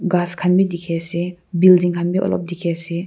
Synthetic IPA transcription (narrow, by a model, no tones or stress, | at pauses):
ɡaskʰanbid̪ikʰɛsibildiŋkʰanbiʔɔ̰lɔ̰p̚d̪ikʰɛsi